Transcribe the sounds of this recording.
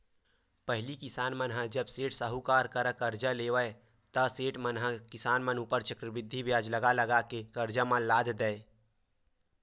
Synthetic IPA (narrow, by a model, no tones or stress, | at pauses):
pəɦɪlikɪsaːnmənɦãd͡ʒəbseːʈsəɦukaɾkəɾəkəɾd͡ʒəlewəe | t̪əseːʈmənɦãkɪsaːnmənuːpəɾt͡ʃəkɾəbɪd̪ʱːibjaːd͡ʒləɡaləɡakekəɾd͡ʒəmãlaːd̪ʱd̪ə